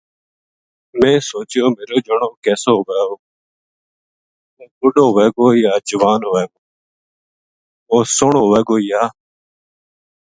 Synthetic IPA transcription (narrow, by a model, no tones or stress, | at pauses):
mẽːsoːt͡ʃɪjoːmeːɾoːd͡ʒəɳoːkɛːsoːʋeːoː | uːʊɗoːʋeːɡoːijaːd͡ʒʊʋaːnoːʋeːɡoː | oːsʊɳoːʋeːɡoːijaː